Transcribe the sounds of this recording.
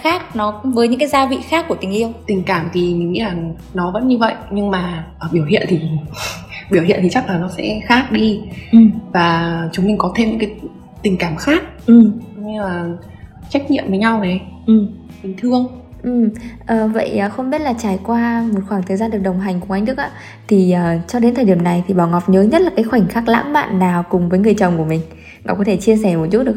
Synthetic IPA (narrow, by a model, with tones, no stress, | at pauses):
xaː˦˥k̚nɔ˨˦kʊ̰˧˥ŋ͡mvəː˨˦jɲɨ̰˧˥ŋkaː˨˦jzaː˧vḭ˧˨xaː˦˥kːu˧˩ət̪i˨˩ŋ̟ʔi˧əwt̪ï˨˩ŋ̟kaː˧˩mt̪ʰi˨˩mi˨˩ŋmḭ˧˥laː˨˩ | nɔ˨˦və̰˧˥nɲɨ˧və̰˧˨jʔɲɨ˧ŋmaː˨˩ʔəː˨˩ɓi˧˩əwhḭ˧˨ənt̪ʰi˨˩ | ɓi˧˩əwhḭ˧˨nt̪i˨˩t͡ɕa˦˥k̚laː˨˩nɔ˨˦sɛ̰˧˥xaː˦˥k̚ɗi˧˨˩ | vaː˨˩t͡ɕʊ˨˦ŋ͡mmi˨˩ŋ̟kɔ˨˦t̪ʰe˧mɲɨ̰˧˥kːaː˨˦ | t̪ï˨˩ŋ̟kaː˧˩mxaː˦˥k̚ʔɨ˨˩m˨˧aː˨˩ | t͡ɕa˦˥jk̚ɲḭ˧˨əmvəː˨˦jɲa˧wnɛ˨˩ʔɨ˨˩m | ɓï˨˩ŋ̟t̪ʰɨ˧əŋ | ʔɨ˨˩mʔəː˨˩və̰˧˨jʔəː˨˩xə˧wŋ͡mɓi˦˥t̚laː˨˩t͡ɕaː˧˩jkwaː˧mo˨˩t̚xwaː˧˩ŋt̪ʰə˨˩zaː˧nɗɨ˨˩ək̚ɗə˨˩wŋ͡mɦa˨˩jŋ̟ku˧˩ʔa˧jŋ̟ɗɨ˦˥k̚ʔa̰ː˧˥ | t̪ʰi˨˩ʔəː˨˩t͡ɕɔ˧ɗe˨˦t̪ʰə˨˩ɗi˧˩əmna˨˩jt̪ʰi˨˩ɓaː˧˩wŋɔ˨˩p̚ɲəː˨˦ɲə˦˥t̚laː˨˩kaː˨˦jxwa˧˩jŋ̟xaː˦˥k̚la̰ː˧˥mma̰ː˧˨nːaː˨˩wkʊ˨˩ŋ͡mvəː˨˦jŋɨ˨˩əjt͡ɕə̰˨˩wŋ͡mku˧˩əmï˨˩ŋ̟ | ŋɔ̰˧˨˩kɔ˨˦t̪ʰe˧˩t͡ɕi˧əsɛ˧˩mo˨˩t̚t͡ɕu˦˥t̚ɨ˨əʔ